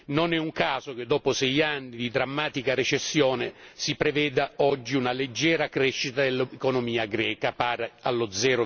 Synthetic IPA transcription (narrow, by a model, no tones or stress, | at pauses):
nonɛuŋkaːzok̟ed̪ːɔːposɛjanːid̪id̪ɾamːaːt̪ikaɾet͡ʃesːjɔːnesipɾevɛːd̪aɔd͡ʒːiunaled͡ʒːɛːɾakɾɛʃːit̪ad̪elːekonomiːaɡɾɛːkapaːɾaalːʊd̪zɛːɾo